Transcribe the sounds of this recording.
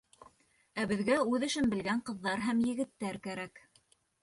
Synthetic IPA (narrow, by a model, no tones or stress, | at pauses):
æbɘ̆ðɡæʉðɘ̆ʃɘnbɘ̆lɡæɴqɤ̆ðːɑɾɦæmjɘ̆ɡɘ̆t̪ːæɾkæɾæk